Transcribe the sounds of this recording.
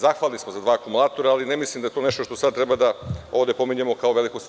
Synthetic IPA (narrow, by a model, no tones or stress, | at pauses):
zaxʋaːlnismozad̪ʋaːkumulˠaːt̪o̞ɾaalinemislˠimd̪ajet̪oneʃt̪oʃt̪o̞sad̪t̪ɾebad̪aovd̪e̞po̞miɲemo̞kaoʋe̞likust̪